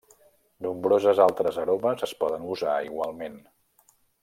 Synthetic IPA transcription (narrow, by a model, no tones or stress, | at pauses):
numbɾozəzalˠt̪ɾəzəɾoməzəspɔðənuzaiɣwalˠmen